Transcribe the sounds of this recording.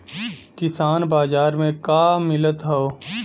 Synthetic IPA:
kɪsaːnbaːzaːɾmẽkaːmɪlət̪ɦɛoː

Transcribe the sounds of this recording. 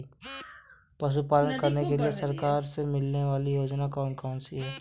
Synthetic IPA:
pɐʃ̬upaːlənkɐɾnekeliesɐɾkaːɾsemɪlneʋaːlijoːd͡ʒnakɔːnkaːʊnsiɦɛː

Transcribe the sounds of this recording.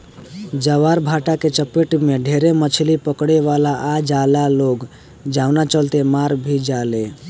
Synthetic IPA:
d͡ʒəʋaɾbʱaʈaket͡ʃəpeʈmeɖʱeɾemət͡ʃʰlipəkɽeʋalaʔad͡ʒalaloɡ | d͡ʒaʊnat͡ʃəlt̪emaɾbʱid͡ʒale

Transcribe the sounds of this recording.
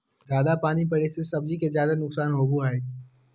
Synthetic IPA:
d͡ʒaːd̪apaːnipɐɽesesɐbd͡ʒikezjaːd̪anʊksaːnɦoːbuɦae

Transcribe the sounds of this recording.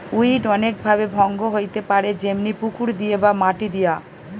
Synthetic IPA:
ujʈɔnek̚bʱabebʱɔŋɡoɦojt̪epaɾed͡ʑemnipukuɾd̪iebamaʈid̪ija

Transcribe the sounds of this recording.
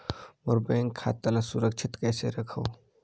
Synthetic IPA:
moɾbẽːŋkʰːa̰ːt̪ɐlasuɾəkʃʰɪt̪kɛːseɾɐkʰəː

